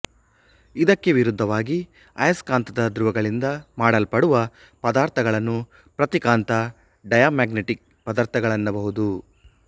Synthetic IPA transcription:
id̪ɐkːe̞ʋiɾud̪ʱːɐʋaːɡi | ɐjɐskaːnt̪ʰɐd̪ɐd̪ɾuʋɐɡɐɭind̪ɐmaːɽɐlpɐɽuʋɐ | pɐd̪aːɾt̪ʰɐɡɐɭɐnːu | pɾɐt̪ikaːnt̪ɐ | ɖɐjaːmaːɡneʈik̚ | pɐd̪aːɾt̪ʰɐɡɐɭɐnːɐbɐɦud̪u

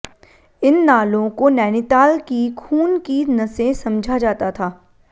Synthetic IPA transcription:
ɪnːaːlõkonɛːnɪt̪aːlkikʰuːnkinɐsẽsɐ̃md͡ʒʱad͡ʒaːt̪at̪ʰaː

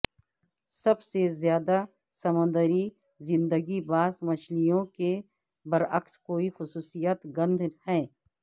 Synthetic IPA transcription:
sɐbsezjaːd̪a | sɐmə̃nd̪əɾi | zɪ̃nd̪əɡibaːzmɐʃlijõke | bɐɾɐkskoːixʊsuːsijat̪ɡɐ̃nd̪ʱhɛ̃ː

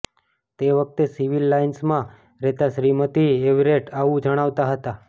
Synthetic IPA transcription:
t̪eʋək̚t̪esiʋilːainsmã | ɾet̪aʃɾimət̪ieʋɾeʈaʋũd͡ʒəɽ̃aʋt̪aɦət̪a

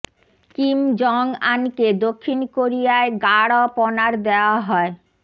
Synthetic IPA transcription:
kimd͡ʑɔŋa̰nked̪okʰːinkoɾijaeɡaɽɔpɔnaɾd̪eoaɦɔe

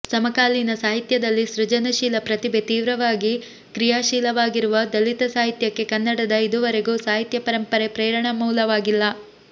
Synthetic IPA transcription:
sɐmɐkaːlinɐsaːɦit̪jɐd̪ɐlːiʃɾud͡ʒɐnɐʃiːlɐpɾɐt̪ibʱe̞t̪iːʋɾɐʋaːɡi | kɾijaːʃiːlɐʋaːɡiɾuʋɐd̪ɐlit̪ɐsaːɦit̪jɐkːe̞kɐnːɐɽɐd̪ɐid̪uʋɐɾeɡuːsaːɦit̪jɐpɐɾɐmpɐɾepɾɛːɾɐɳɐmuːlɐʋaːɡilːɐ

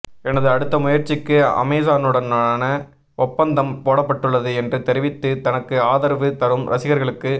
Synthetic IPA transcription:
ɛnɐðɯɐɽɯt̪ːɐmʊjɐɾt͡ʃːɪkːɯɐ̰meːsaːnɯɽɐnaːnɐ | ʔɔpːɐnd̪ɐmpoːɽɐpːɐʈːɯɭːɐðɯɛndrɯt̪ɛɾɪʋɪt̪ːɯt̪ɐnɐkːɯaːðɐɾʋɯt̪ɐɾɯmɾɐsɪɣɐɾɣɐɭɯkːɯ

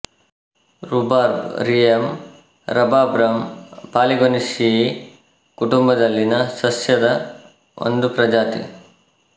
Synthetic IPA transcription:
ɾubaːɾɾijɐm | ɾɐbaːbɾɐmpaːliɡonisij | kuʈumbɐd̪ɐlːinɐsɐsjɐd̪ɐ | ʔo̰nd̪upɾɐd͡ʒaːt̪ḭ

